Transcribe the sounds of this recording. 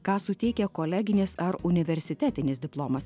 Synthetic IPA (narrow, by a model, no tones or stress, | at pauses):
kɑːsʊt̪ʲɛɪkʲɛkoːlʲæɡʲɪnʲɪsɐɾʊnʲɪʋʲɛɾʲsʲɪt̪ʲæːt̪ʲɪnʲɪsd̪ʲɪplˠoːmɐs